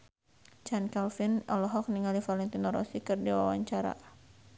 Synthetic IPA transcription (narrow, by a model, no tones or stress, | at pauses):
t͡ʃankalfinɔlɔɦɔk̚niŋalifalɛŋt̪inɔɾɔ̰sikɨrdiwa̰waɲt͡ʃaɾa̰